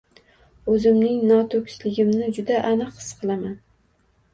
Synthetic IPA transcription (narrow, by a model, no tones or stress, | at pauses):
ɵzɪmnɪŋnɒt̪ʰɵkʲslɪɡʲɪmnɪd͡ʒʊd̪aʔanɨqʰːɨ̥sqʰɨlˠaman